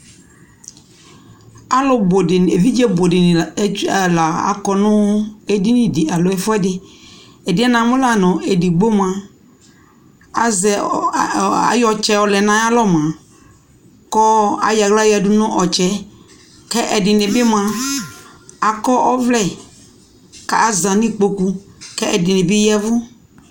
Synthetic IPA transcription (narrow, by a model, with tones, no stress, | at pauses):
a˦lɔ˨bo˨dɪ˨e˨vi˦d͡ʒɛ˦bo˨dɪ˨nɪ˨˦a˨la˨a̰˨kɔ˨nʊ̃˦e˦di˦nɪ̃˨dɪ˨a˨lɔ˨˦ɛ˦fʊ˦ɛ˦dɪ˦ | ɛ˨dɪ˨˦ɛ˦nã˨mʊ̃˦la˨nʊ̃˨e˨di˨ɡ͡bo˦m˨a˨ | a˨zɛ˨ | a̰˨jɔ˨t͡ʃɛ˦ɔ˨lɛ˨nã˨˦a˦lɔ˦m˨ã˨ | kɔ˦a̰˨ja˨ɡla˦ja˨dʊ˦nʊ̃˦ʔɔ˨t͡ʃɛ˦ | kɛ˦ʔɛ˨dɪ˨nɪ̃˨bɪ˦m˦ã˨ | a˨kɔ˦ʔɔ˦vlɛ˦˨ | ka̰˨a˨zã˨nĩ˦k͡po˨ku˨kɛ˦ʔɛ˨dɪ˨nɪ̃˨bɪ˦jɛ˦vʊ˦